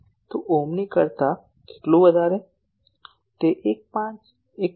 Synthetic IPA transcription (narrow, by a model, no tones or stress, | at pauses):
t̪oʔomnikəɾt̪a | ke̥ʈlũʋəd̪ʱaɾe | t̪eʔek̚pãt͡ʃ | ek